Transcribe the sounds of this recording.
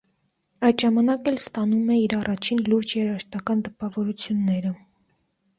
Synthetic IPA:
ɑjd̪ʒɑmɑnɑkɛlst̪ɑnumɛiɾɑrʔɑt͡ʃʰinluɾd͡ʒjɛɾɑʃt̪ɑkɑnt̪əpɑvɔɾut͡sʰjunːɛɾə

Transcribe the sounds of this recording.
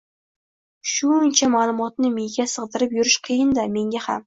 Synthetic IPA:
ʃʊnt͡ʃʰamalˠʊmɒt̪nɪmejɡʲasɨʁd̪ɪɾɪpjʊɾɪʃqʰɨjɪnd̪ame̞ŋɡʲaha̰m

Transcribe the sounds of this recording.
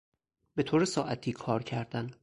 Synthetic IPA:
bet̪ʰoːɾesɒːʔæt̪ʰiːkʰɒːɾcʰæɾd̪æn

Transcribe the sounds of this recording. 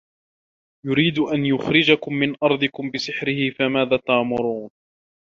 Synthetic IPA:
jʊɾiːd̪ʔanjʊxɾɪd͡ʒakʊmːɪnʔɑɾˤd̪ˤɪkʊmbɪsɪħɾɪhɪfamaːðaːt̪aʕmʊɾuːn

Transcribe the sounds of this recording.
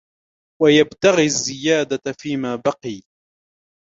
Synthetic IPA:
wajabt̪aɣiazːɪjaːd̪afiːmaːbɑqiː

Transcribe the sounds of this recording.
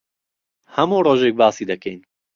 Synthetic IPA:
hɐmuːroːʒeːk̚baːsiːd̪ɐkɛjn

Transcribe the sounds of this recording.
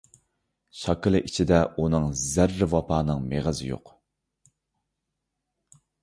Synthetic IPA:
ʃɑkɨlˠɨʔit͡ʃʰid̪ɛunɨŋzæɾːɪwɑpʰɑːnɨŋmeʁəzɪ̰jo̰q

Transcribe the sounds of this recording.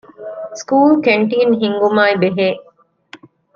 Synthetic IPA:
skuːlkeɳʈiːnɦiŋɡumaːibeɦeː

